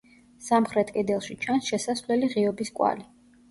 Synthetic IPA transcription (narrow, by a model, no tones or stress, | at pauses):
samχɾɛt̪ʰʼkʼɛd̪ɛlˠʃit͡ʃʰansʃɛsasvlɛliʁiɔbiskʼwa̰li